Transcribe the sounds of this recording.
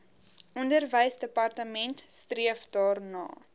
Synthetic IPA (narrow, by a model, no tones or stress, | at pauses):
ʔɔndərvəjsdəpɐrtəmɛntstriəfdɑːrnɑ̰ː